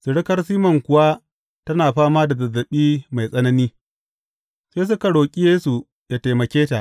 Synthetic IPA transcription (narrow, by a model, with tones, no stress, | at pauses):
su˨ɽɪ˦kɐ˦rsiː˦mɐ˨ŋkʷʊ˨wa˦ | tɐ˦naː˨ɸaː˦maː˦da˨dɐ˨zːɐ˨ɓiː˦ma˨jsʼɐ˦nɐ˦niː˦ | seː˦s̬ʊ˦ka˨ɽoː˨kʲʼi˦jeː˦su˨ | jaː˦ta˨jmɐ˨kʲeː˦ta˨ʔ